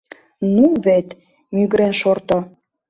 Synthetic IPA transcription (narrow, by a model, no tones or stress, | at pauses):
nuβet̪ | myɣɾenʃort̪o